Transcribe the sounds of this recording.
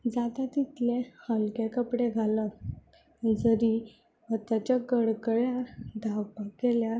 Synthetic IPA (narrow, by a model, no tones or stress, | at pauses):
d͡zat̪at̪it̪lẽhəlkekəpɽeɡʱalə | d͡zəɾi | ʋət̪at͡ɕjaɡəɽkəɭjaɾd̪ʱawpakeljaɾ